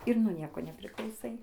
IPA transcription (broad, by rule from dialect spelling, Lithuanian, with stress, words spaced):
ɪr nuɔ ˈnʲiɛkoː nʲɛpʲrʲɪklˠɐʊˈsɐɪ